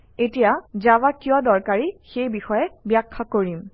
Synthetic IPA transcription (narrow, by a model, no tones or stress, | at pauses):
etijazawakijɔdɔɹkaɹixejbixɔjɛbjakʰːakoɹim